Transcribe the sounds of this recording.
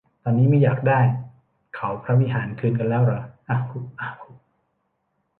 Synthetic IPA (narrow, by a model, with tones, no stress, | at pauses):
t̪ɔː˧nːiː˦˥ma˥˩jaː˨˩k̚daː˥˩j | kʰa˩˦wpʰɾa˦˥wi˦˥ɦaː˩˦nkʰɯː˧nka˧nlɛː˦˥wɾa˨˩ʔa˧u˧˩ʔa˧u˧˩